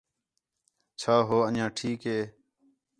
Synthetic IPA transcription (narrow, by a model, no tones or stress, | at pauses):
t͡ʃʰaːɦoːəãːʈʰiːkɦeː